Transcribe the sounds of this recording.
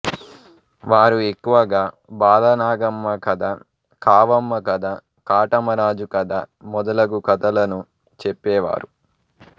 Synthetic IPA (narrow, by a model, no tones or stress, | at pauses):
ʋaːɾue̞kːuʋɐɡaː | baːd̪ɐnaːɡɐmːɐkɐd̪a | kaːʋɐmːɐkɐd̪a | kaːʈɐmɐɾaːd͡ʒukɐd̪a̰mɔd̪ɐlɐɡukɐt̪ɐlɐnu | t͡ʃepːɛːʋa̰ːɾu